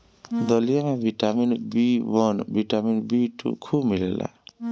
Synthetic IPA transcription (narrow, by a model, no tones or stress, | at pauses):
d̪ɔlijamabiʈaminbiwɔnbiʈaminbiʈṵkʰubmilelʔa̰